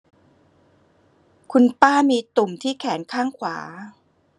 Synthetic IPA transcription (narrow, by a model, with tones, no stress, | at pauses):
kʰu˧npaː˥˩miː˧t̪u˨˩mt̪ʰiː˥˩kʰɛː˩˦nkʰaː˥˩ŋkʰwaː˩˦